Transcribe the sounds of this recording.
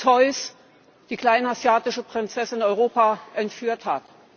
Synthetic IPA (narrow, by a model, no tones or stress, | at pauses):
t͡sʰɔʏs | d̥iːkl̥aɪnazjaːtɪʃəpʁ̥ɪnt͡sɛsɪnɔʏʁoːpaʔɛntfyːɐthat